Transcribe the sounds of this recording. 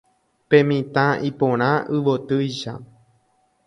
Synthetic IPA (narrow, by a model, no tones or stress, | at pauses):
pẽmĩt̪ãipõɾ̃ãʔɨʋot̪ɨjʃa̰